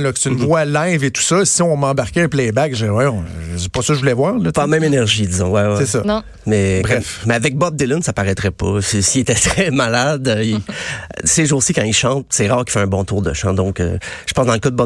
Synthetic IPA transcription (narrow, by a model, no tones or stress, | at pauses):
lɔkst̪ynvwalaɪvet̪u̥sɔsiɔ̃mɑ̃baʁkʲeɛ̃plɛbakʒəwɛjɔ̃se̥pɔsɔʒəvulɛvwaːʁlɔpɑmɛ̃menɛʁʒid̪izɔ̃wɛwɛsesɔn | mɛbʁɛfmɛavɛk̚bɔb̚d̪elʊnsapaʁɛt̪ʁɛpɔ̰sisiet̪ɛt̪ʁɛmalad̪i | seʒosikɑ̃iʃɑ̃t̪̚sɛʁɑːʁki̥fɛɛ̃bɔ̃t̪uːʁd̪əʃɑ̰̃d̪ɔ̃kø̰ʒə̥pɑ̃sd̪ɑ̃ləkɑd̪əbɔ